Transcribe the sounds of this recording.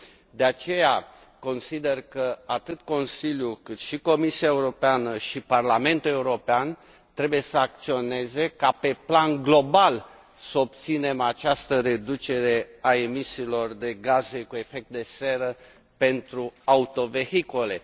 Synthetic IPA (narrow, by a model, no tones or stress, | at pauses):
d̪e̞at͡ʃe̞ja | ko̞nsid̪e̞rkəat̪ɨt̪ko̞nsiljukɨt̪ʃiko̞misiae̞uɾo̞peanəʃiparlame̞nt̪ule̞uɾo̞pean | t̪ɾe̞buje̞səak̚t̪sio̞ne̞ze̞kape̞planɡlo̞bal | səop̚t̪sine̞mat͡ʃast̪əɾe̞d̪ut͡ʃe̞ɾe̞ae̞misiːlo̞rd̪e̞ɡaze̞kue̞fe̞k̚t̪̚d̪e̞se̞ɾə | pe̞nt̪ɾuaut̪o̞ve̞hikole̞